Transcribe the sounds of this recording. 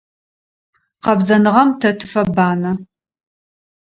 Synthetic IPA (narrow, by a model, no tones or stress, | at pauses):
qɐbzɐnɨʁɐmtʰɐtʰɨ̥fɐbaːnɐ